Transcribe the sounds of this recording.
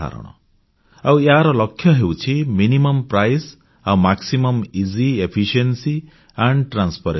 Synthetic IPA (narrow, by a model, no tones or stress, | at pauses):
a̰ɾɔ̰ɽ̃ɔ̰ | aweɦaɾɔlɔkʰːjɔɦewt͡ʃʰiminimɔmpɾajs | awmaksimɔmiziepʰiʃiensi | aɳɖʈɾanspʰaɾe